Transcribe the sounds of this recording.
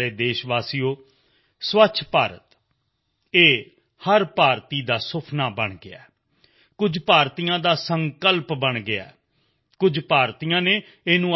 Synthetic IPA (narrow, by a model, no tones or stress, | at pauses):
eːd̪eːʃʋaːsiːjoː | sʋətːʃʰpaːɾə̰t̪ | eː | həɾpaːɾt̪iːd̪aːsʊpʰnaːbəɳɡɪa̰ː | kʊd͡ʒpaːɾt̪iːjãːd̪aːsəŋkəlpbəɳɡɪa̰ː | kʊd͡ʒpaːɾt̪iːãːneː | eːnũː